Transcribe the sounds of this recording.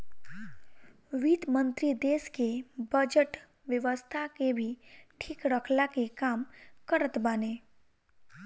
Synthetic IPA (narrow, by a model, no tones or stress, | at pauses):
ʋiːt̪mə̃nt̪ɾid̪eːskebəd͡ʒəʈ | ʋjəʋəst̪ʰakebʱiʈʰiːkɾəkʰlakekaːmkəɾət̪baːneː